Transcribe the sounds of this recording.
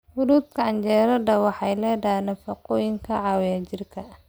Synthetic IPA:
hʊɾuːd̪kʰɐʕɑnd͡ʒɛːɾɐdɐwɑħɑjlɛːdanɐfɐqɔːjɪŋkʰɐʕɑːwjat͡ʃɪrkʰɐ

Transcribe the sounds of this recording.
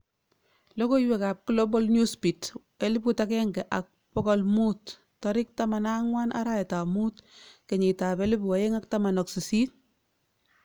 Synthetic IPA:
lɔkoiwɛkap̚kulobɔlnjuspit | elɪpkutakɛŋɡɛʔak̚pɔkɔlmutː | ɔɾɪk̚tamanaŋwanʔa̰ɾaɛtamuːtkeɲetapelɪpuwajeŋak̚tamanɔksisit̚

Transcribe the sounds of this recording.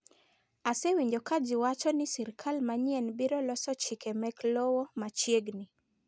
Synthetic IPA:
asɛwiɲd͡ʒɔkad͡ʒiwat͡ʃɔnisɛɾikʰalmaɲiɛnbiɾɔlɔsɔt͡ʃikɛmɛklɔwɔmat͡ʃiɛɡni

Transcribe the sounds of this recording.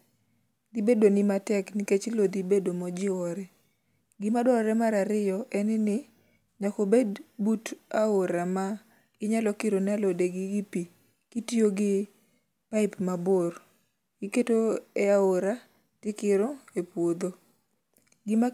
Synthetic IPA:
d̪ibedonɪmatɛknɪket͡ʃlod̪ibedomɔd͡ʒɪwɔɾɛ | ɡɪmadɔɾɛmaɾaɾɪjɔʔɛnɪnɪ | nakobedbutaoɾama | ɪɲalɔkɪɾonalodeɡɪɡipi | kitioɡɪ | paɪpmabor | ɡɪketoɛaoɾa | tɪkɪɾɔepwod̪o | ɡɪma

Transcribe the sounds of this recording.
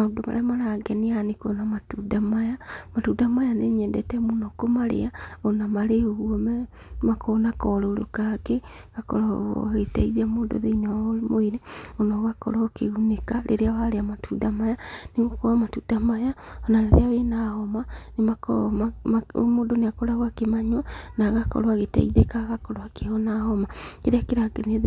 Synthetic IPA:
aodoma̰ɾeamaɾaɡɛnianekonamatudamajamatudamajaneɲɛndɛtɛmonɔkomaɾḛaɔnamaɾeoɣwɔmɛ | makɔnakɔɾɔːɾokakeɣakɔ̰ɾɔ̰ɣetɛiðamoːdo̰ðeinamoiɾeɔnaɣakɔ̰ɾɔkeɣunekaɾʔḛɾeaβaɾeamatudamajaneɣokɔɾɔmatudamajaɔnaɾeɾḛawenahɔmanemakɔaao̰moːdoneakɔɾaɣwakemaɲwanaɣakɔ̰ɾwaɣeta̰iðekaɣakɔɾoakeɔnahɔmakeɾeakeɾakene

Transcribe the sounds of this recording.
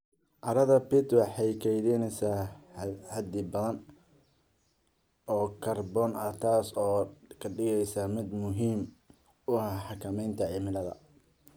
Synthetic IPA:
ʔɐɾɐðɐpɪt̪wɑħɑjkʰɛjðɪnɛjsa | hɐd̪ɪbɐðɐn | ɔːkʰɐrbɔːnɐt̪ʰaːsɔːkʰɐɖɪɣɛjsamɪd̪mʊɦiːm | ʊɐhħɑkʰɐmɛjnt̪ʰɐʕɪmɪlɐðɐ̰

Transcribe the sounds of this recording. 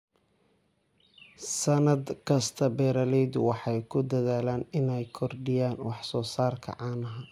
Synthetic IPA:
sɐnɐd̪kʰɐst̪ʰɐbɛːɾɐlɛjd̪ʊwɑħɑjkʰʊd̪ɐðaːlaːnɪnɛjkʰɔrɖɪjaːnwɑħsɔːsaːrkʰɐ̰ʕɑːnɐɦɐ

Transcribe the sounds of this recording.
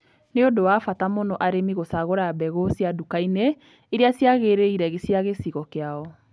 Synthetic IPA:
neodowafatamonɔʔaɾemiɣosaɣoɾabɛɣosiadukaine | eɾeasjaɣeɾeiɾɛɣesiaɣesiɣɔkeaɔ

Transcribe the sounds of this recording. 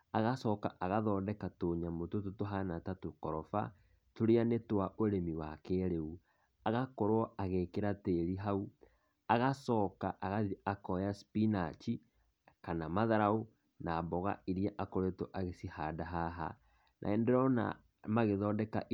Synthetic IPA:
aɣasɔkaʔaɣaðɔːdɛkatoːɲamotototoɦanatatokɔɾɔfa̰ | toɾeanetwaʔoɾemiwakeɾeu | aɣakoɾɔaɣekeɾateɾiɦau | aɣasɔːkaʔaɣaðiakɔjaspinat͡ʃi | kanamaðaɾao | naːbɔɣa̰iɾiɛʔakoɾetoʔaɣesihadaɦaɦa̰ | nʔa̰endɛɾɔna̰ | maɣeðɔːdɛka̰ʔ

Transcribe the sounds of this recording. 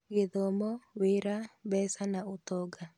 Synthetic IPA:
ɣeðɔmɔweɾaβɛsanaotɔɡa

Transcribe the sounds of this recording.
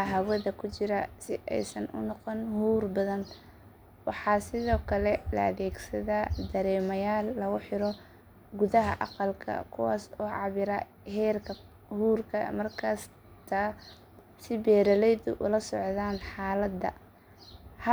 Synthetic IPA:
ɦɐwɐðɐkʰʊt͡ʃɪɾɐsɪʔɛ̰jsɐnʔʊ̰nːɔqɔnhuːrbɐðɐn | wɑħɑːsɪðɔːkʰɐlɛlɐ̰ɐ̰ðɛːɡsɐðaːd̪ɐɾɛːmɐjaːlːɐɣʊħɪɾɔ | ɡʊðɐɦɐ̰ʔɑqɑlkʰɐ̰kʰʊwɑ̰ːsɔːʕɑβɪɾa | hɛːrkʰɐ | huːrkʰɐ̰mɐrkʰɐs | t̪ʰɐ | sɪbɛːɾɐlɛjd̪ʊʔʊlɐsɔʕðaːnħɑːlɐd̪ɐ̰ | h

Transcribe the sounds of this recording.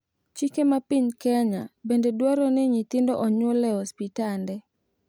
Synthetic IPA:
t͡ʃikemapiɲkɛɲa̰bendedwaɾɔnɪɲɪt̪ɪndɔʔɔɲolɛhɔspitandɛ

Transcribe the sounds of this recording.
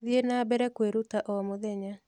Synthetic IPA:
ðienabɛɾɛkweɾutaʔɔmoðɛɲa

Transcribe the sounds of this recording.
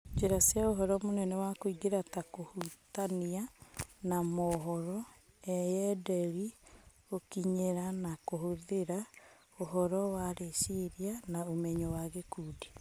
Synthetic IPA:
d͡ʒeɾasiaoɦɔɾɔmonɛnɛwakoiɡeɾatakohutanianamɔɦɔɾɔ | ɛjɛdɛɾi | okiɲeɾanakoɦoðeɾa | oɦɔɾɔwaɾeʃeɾianaomɛɲɔwaɣekuːdi

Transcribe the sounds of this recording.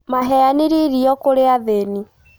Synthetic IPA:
maɦɛjaniɾiɾiɔkoɾeaðeni

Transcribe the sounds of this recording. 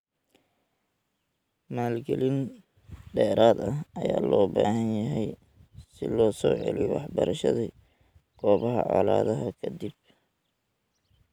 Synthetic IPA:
maːlɡɛlin | ɖɛːɾaːd̪ɐɦɐjaːlɔːbaːɦɐnjɐɦɛj | sɪlɔːsɔːʕɛ̰liwɑħbɐɾɐʃɐði | ɡ̥ʰɔːβɐɦɐ̰ʕa̰ːlaːðɐɦɐkʰɐd̪ib̚

